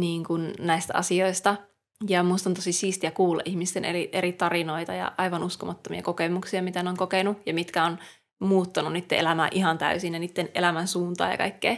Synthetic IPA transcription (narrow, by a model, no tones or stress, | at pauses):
niːŋkunnæist̪æʔɑ̰sio̞ist̪ɑ | jɑmuist̪ɑnt̪osisiːst̪iækuːlːɑ̰ʔihmist̪enʔḛliʔeɾit̪ɑrino̞it̪ɑjɑ̰ʔɑiʋɑnuskomɑt̪ːomḭɑ̰kokemuksiɑmit̪æneoŋkokenujɑmit̪kæon | muːt̪ːɑnunnit̪ːḛelæmæːʔiɦɑnt̪æ̰ysinjɑniːt̪ːenʔḛlæmænsuːnt̪ɑ̰ːjɑ̰kɑ̰ikːeː